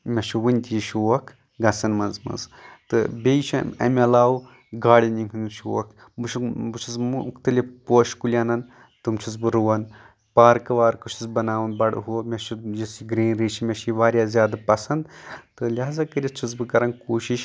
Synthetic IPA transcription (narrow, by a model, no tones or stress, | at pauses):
mʲɐʃuʋɨnʲt̪ʲijiʃuʋɐkʰ | ɡɐsɐnmɐnzmɐ̰nzt̪ɨ̰bʲeːjʃɐmɐ̰mʲɐlaːwu | ɡaːɽʲiniŋkʰɨnt͡ʃʰuwɐkʰ | bɨʃbɨt͡ʃʰizmukt̪ɐlifpoːʃkulʲaːnɐn | t̪umt͡ʃʰuzbɨɾuʋɐn | paːɾkɐʋaːɾkɨt͡ʃʰizbɐnaːʋɐnbɐɽɦuomʲɐʃujisiɡɾiːnɾit͡ʃʰimʲɐʃiʋaːɾjaːzʲjaːd̪ɐpɐsɐnd̪t̪ɨlʲaːzakɐɾʲɐt͡ʃʰuzbɨkɐɾɐnkoːʃiʃ